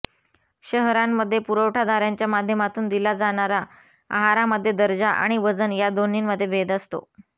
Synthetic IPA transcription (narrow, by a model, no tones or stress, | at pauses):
ɕəɦɾamːəd̪ʱːjepuɾəwʈʰad̪aɾjaɲt͡ɕjamad̪ʱjəmat̪uːnd̪ilad͡zaɽ̃aɾa | a̰ɦaɾaməd̪ʱːjed̪əɾd͡zaʔa̰ɽ̃iʋəd͡zənjad̪oninməd̪ʱːjebʱed̪əst̪o̰